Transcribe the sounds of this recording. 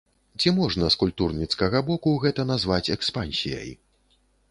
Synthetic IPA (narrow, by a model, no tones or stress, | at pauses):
t͡sʲimɔʐnɐskulʲp̚t̪urnʲit̪skɐɣɐbɔkuɣɛt̪ɐnazvat͡sʲɛkspanʲsʲḭjɐ̰j